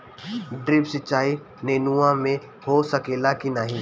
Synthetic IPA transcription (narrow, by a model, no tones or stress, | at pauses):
ɖɾɪpsɪt͡ʃaːi | neːnuãmẽ | hosɐkeːlakinaːɦĩ